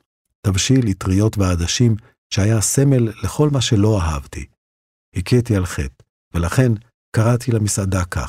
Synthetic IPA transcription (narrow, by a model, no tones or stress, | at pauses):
tavʃilit̪ʁijo̞tvead̪aʃim | ʃeajase̞me̞lːe̞χo̞lmaʃelo̞aɦavtḭ | hikʰit̪ialχe̞t̪ | velaχe̞n | kaʁat̪ilamisad̪aka̰